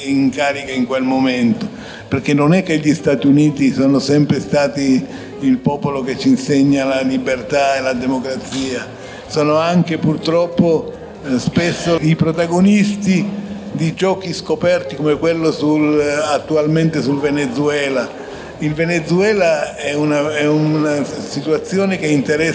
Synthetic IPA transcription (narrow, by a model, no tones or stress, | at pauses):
iŋkaːɾikeiŋkwelmoment̪o | perkenːonɛkːeʎːist̪aːt̪iuniːt̪isɔːnosɛmpɾest̪aːt̪iː | lpɔːpoloket͡ʃːinseɲːalalibert̪aelad̪emokɾat̪siːa | sɔːnoaŋkepurt̪ɾɔpːo | spesːoipɾot̪aɡonist̪id̪id͡ʒɔːkiskopɛrt̪ikomekwelːosulat̪ːualment̪esulvenet̪suɛːla | ilvenet̪suɛːlaɛunaɛunasit̪uat̪sːjoːnekeint̪eɾɛ